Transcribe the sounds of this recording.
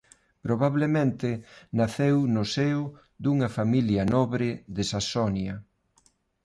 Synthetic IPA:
pɾoβaβlemẽnt̪ɪnaθewnʊsew | d̪uŋɐfamiljɐnɔβɾɪðɪsasɔnjɐ

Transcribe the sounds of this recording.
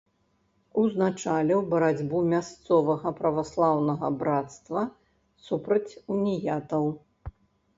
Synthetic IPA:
uznat͡ʂalʲiwbɐɾad͡zʲbumʲast̪sɔvɐɣɐpɾɐvaslˠawnɐɣɐbɾat̪st̪vɐ | supɾɐt͡sʲunʲijat̪ɐw

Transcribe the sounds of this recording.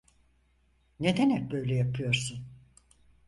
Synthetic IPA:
ned̪ɛnɛk̚bø̞jlʲɛjapʰɯjo̞ɾsun

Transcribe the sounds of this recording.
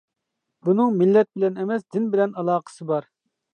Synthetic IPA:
bunɨŋmɪlːɛt̪̚bɪlɛnemɛsd̪ɪnbɪlɛnɑlˠɑːqʰə̥sɨbɑɾ

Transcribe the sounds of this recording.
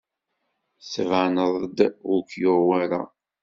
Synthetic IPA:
svanəðˤd̪ʊkjʊɾwæɾa̰

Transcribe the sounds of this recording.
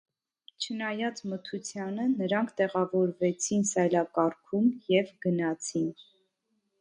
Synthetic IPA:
t͡ʃʰənɑjɑt͡smət̪ʰut͡sʰjɑnənəɾɑŋkʰt̪ɛʁɑvɔɾvɛt͡sʰinsɑjlɑkɑɾkʰumjɛvɡənɑt͡sʰin

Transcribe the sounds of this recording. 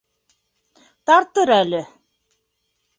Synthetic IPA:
t̪ɑɾt̪ɤɾælɘ

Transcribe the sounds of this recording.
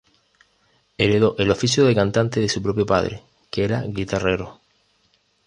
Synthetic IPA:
eɾeðo̞ʔelofisjoðekant̪ant̪eðesupɾo̞p̬jopa̰ðɾḛ | keeɾaɣit̪areɾo̰

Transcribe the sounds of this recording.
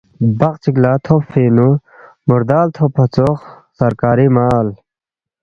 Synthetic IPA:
bɐqt͡siklaːt̪ʰopfiːnu | muɾd̪aːlt̪ʰopʰɐt͡soχ | sɐɾkaːɾimaːl

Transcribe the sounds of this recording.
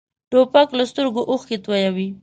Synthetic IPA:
ʈopaklast̪əɾɡoʔoxket̪wajawi

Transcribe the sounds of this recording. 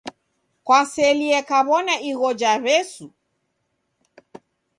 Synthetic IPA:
kwasɛliɛkaβɔnaiɣɔd͡ʒaɾɛsu

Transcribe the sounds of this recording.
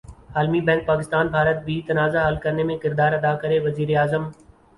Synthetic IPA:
aːlmibɛ̃ːŋk̚paːkɪst̪aːnbʱaːɾət̪̚bʱit̪ɐnaːzaɦəlkɐɾnemẽkɪɾd̪aːɾɐd̪akɐɾeʋɐziːɾeaːzəm

